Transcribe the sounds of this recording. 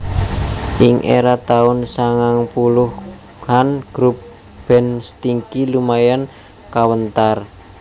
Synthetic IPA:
ʔɪŋʔḛɾat̪aʊnsaŋaŋpulʊh | hanɡ̥ɾup̚ | b̥ɛ̤nst̪iŋkilumajan | kawənt̪ar

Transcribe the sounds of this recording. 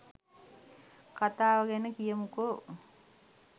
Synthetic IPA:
kat̪aːʋaɡɛnəkijəmuko

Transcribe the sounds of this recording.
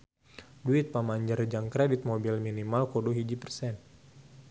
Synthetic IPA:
duɪt̪̚pamaɲd͡ʒərd͡ʒaŋkɾedit̪̚mobilminimalkoduɦid͡ʒipərsɛn

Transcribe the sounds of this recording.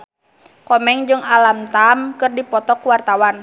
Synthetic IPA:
kɔmɛŋd͡ʒɨŋalamt̪amkɨrdipɔt̪ɔkuwart̪awan

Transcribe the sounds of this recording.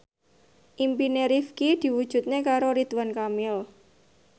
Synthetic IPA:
ʔimpineɾifkid̪̥i̤wud̥ʒ̥ṳt̪̚nekaɾoɾit̪wankamil

